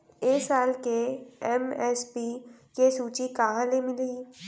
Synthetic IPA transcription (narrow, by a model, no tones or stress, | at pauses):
eːsaːlkeɛmɛspikesuːt͡ʃikɐɦãlemɪliː